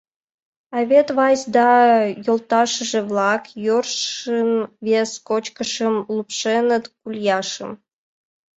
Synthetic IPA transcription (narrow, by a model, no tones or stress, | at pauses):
ɑβʲet̪βɑjsd̪ɑjolˠt̪ɑʃəʒeβlɑkjørənβeskot͡ɕkəʃəmlupʃenə̆t̪kulʲjɑʃə̰̆m